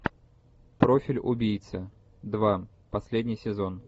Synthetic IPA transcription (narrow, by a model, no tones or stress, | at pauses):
pɾofʲɪlʲʊ̰bʲijt̪sə | d̪va | pɐsʲlʲedʲnʲɪjsʲɪzon